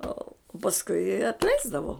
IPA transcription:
ˈoː pɐsˈkʊɪ ɐtʲˈlʲɛɪzdɐʋoː

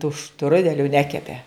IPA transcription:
tuː ˈʃtrʊdʲɛlʲʊ ˈnʲæːkʲɛpʲɛ

